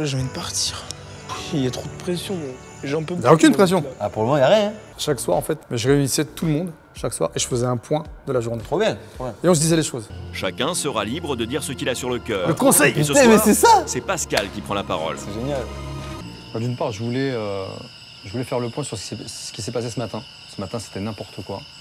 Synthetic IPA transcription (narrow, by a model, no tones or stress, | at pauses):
ʒeɑ̃vid̪əpaʁt̪iːʁ | wiiljat̪χod̪əpχesjɔ̃mɛ̃ | ʒɛ̃pøiljaokʲynpχes̬jɔ̃apuʁləmɔ̃ijaʁjɛ̃ | ʃakswa̰ʁɑ̃fɛt̪mɛʒəʁeynisɛt̪uləmɔ̃d̪ | ʃakswa̰ʁeʒəfəzɛɛ̃pwɛ̃d̪əlaʒuʁnet̪ɔbɛt̪ɔɛ̃eɔ̃s̬əd̪izɛleʃozʃakʲɛ̃səʁalibʁəd̪əd̪iʁsəkʲilasyʁləkʲœːʁləkɔ̃sɛjsmɛsɛsasɛpaskalkʲipχɑ̃lapa̰ʁɔ̰lsɛʒenjal | fɛd̪ynpaʁʒəvulɛø | ʒəvulɛfɛʁləpwɛ̃syʁsə̥seə̥kʲisɛpasesəmat̪ɛ̃ | səmat̪ɛ̃se̥t̪ɛnɛ̃pɔʁt̪əkwa